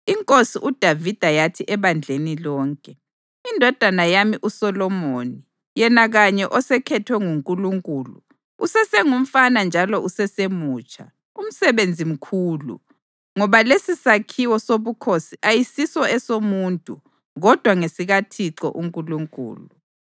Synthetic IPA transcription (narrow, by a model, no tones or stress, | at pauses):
iŋkʼosiʔud̥ʱavid̥ʱajatʰiʔɛβand͡ɮʱenilɔːŋkʼɛ | indʱɔd̥ʱanajamiʔusɔlɔmoni | jɛnaɣaɲɛʔɔsɛkʰɛtʰwɛŋuŋkʼuluŋkʼuːlṵ | usɛsɛŋum̩fanand͡ʒʱalɔʔusɛsemuːt͡ʃʰʼa | um̩sɛβend͡zʱim̩kʰuːlṵ | ŋɔβalesisakʰiwɔsoβukʰosiʔajisisɔɛsomuːntʼu | ɣɔd̥ʱwaŋesiɣatʰiǃɔ̰ʔuŋkʼuluŋkʼṵːlu